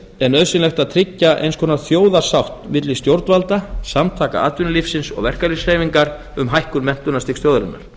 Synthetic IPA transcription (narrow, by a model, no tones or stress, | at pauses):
ɛnœðsɪnlɛxt̪aðt̪ʰɾɪcːaʔḛjnskʰɔːnaɾθjoːwðasawht̪vɪt̪lɪst̪jowɾt̪valt̪asamt̪ʰaːka̰aːt̪vʏnɪlifsɪnsɔ̰ɣvɛr̥kaɾisheːjviŋkaɾ | ʏmɦajhkʏɾmɛn̥t̪ʏnast̪ɪkst̪jowðɾɪnːa̰ɾ̥